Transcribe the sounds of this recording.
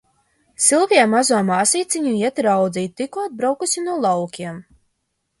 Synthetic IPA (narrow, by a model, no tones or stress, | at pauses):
silˠviɛmazuɔmaːsiːt̪siɲuiɛt̪ɾawd̪zʲiːt̪t̪ːikɔd̪̚bɾawkusʲinuɔlˠawkʲiɛm